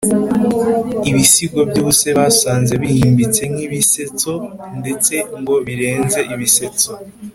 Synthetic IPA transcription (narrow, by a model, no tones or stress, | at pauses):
iβisiɡwobjuːβuse̞βasaːnze̞βihiːmbit͡se̞ŋŋiβise̞t͡so̞nde̞t͡se̞ŋɡo̞βiɾe̞ːnze̞ʔiβise̞t͡so